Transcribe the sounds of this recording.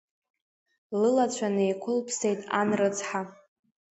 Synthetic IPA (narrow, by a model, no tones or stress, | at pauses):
lɨlat͡ɕʷʰanɨjkʷʰʊlpʰsejtʼa̰nrɨt͡sʰħa